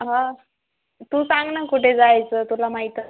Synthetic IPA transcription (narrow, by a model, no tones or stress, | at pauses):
ɦã | t̪usãŋɡnakuʈʰed͡zajt͡sːt̪ulamaɦit̪ə